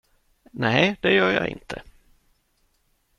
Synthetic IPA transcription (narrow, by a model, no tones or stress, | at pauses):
nɛɪd̪̥ɛjœːɾjɑ̰ːɪ̰nt̪ʰə